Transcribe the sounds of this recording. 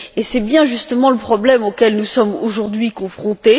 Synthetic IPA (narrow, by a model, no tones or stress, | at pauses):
esɛbjɛ̃ʒyst̪əmɑ̃ləpχɔblɛmokʲɛlnusɔmoʒuʁd̪ɥikɔ̃fχɔ̃t̪e